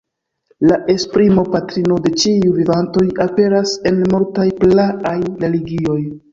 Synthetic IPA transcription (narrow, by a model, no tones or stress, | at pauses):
laʔe̞spɾimo̞patɾino̞de̞t͡ʃiuvivanto̞jape̞ɾase̞nmoɾtajplaʔajɾe̞liɡio̞j